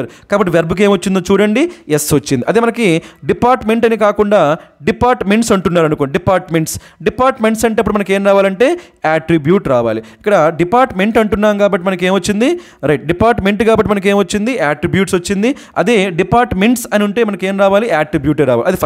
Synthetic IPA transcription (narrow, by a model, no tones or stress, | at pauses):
ɐɾkaːbɐʈ̬ːiʋeɾbuk̬e̞ːmɐt͡ʃːind̪oːt͡ʃuːɽɐɳɖiesʋɐt͡ʃːind̪iʔɐd̪imɐnɐkiɖipaːɾʈmeɳʈɐnikaːkuɳɖaːɖipaːɾʈmeɳʈsɐɳʈunːaːɾɐnukonɳɖɖipaːɾʈme̞ɳʈs | ɖipaːɾʈme̞ɳʈsɐɳʈ̬eɐpːuɽumɐnɐke̞ːnɾaːʋaːlɐɳʈe̞ː | aːʈɾibjuːʈɾaːʋaːliikːɐɽɐɖipaːɾʈme̞ɳʈɐɳʈunːaːmkaːbɐʈːimɐnɐk̬e̞ːmʋɐt͡ʃːind̪i | ɾɐjʈ̚ɖipaːɾʈme̞ɳʈkaːbɐʈːimɐnɐk̬e̞ːmʋɐt͡ʃːind̪iʔaːʈɾibjuːʈsʋɐt͡ʃːind̪i | ɐ̰d̪iɖipaːɾʈmeɳʈsɐnuɳʈe̞ːmɐnɐkeːmɾaːʋaːliʔaːʈɾibjuːʈeɾaːʋa̰ːliɐd̪i